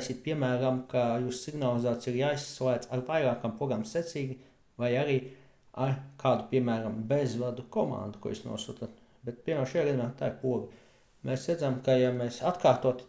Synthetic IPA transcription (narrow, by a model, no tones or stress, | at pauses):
sʲit̪̚piɛmæːɾamkajuːssiɡnalˠizaːt̪siɾjaːjsslˠæːt̪saɾvajɾaːkampɾɔɡamset̪sʲiːɡʲi | vajaɾiː | aɾkaːd̪upʲiɛmæːɾambezvad̪ukɔmã̰nd̪ukṵɔ̰jṵsnṵɔsṵːt̪at̪ | bɛt̪̚piɛmæːɾʃajaːɡad̪ʲinaːt̪aːiɾpuɔɡi | mʔeːsæd̪zamkajamesat̪kaːɾt̪uɔt̪